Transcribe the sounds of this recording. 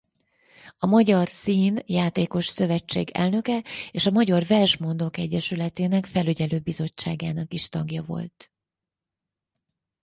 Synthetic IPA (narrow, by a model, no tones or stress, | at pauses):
ɒmɒɟɒrsiːnjaːt̪eːko̞ʃsø̞vɛt͡ʃːḛːɡɛ̰lnø̞kɛeːʃɒmɒɟɒrvɛrʃmo̞nd̪o̞kɛɟːɛʃylɛt̪eːnɛkfɛlyɟɛløːbizo̞t͡ʃːaːɡaːnɒkiʃt̪ɒɡjɒvo̞̰lt̪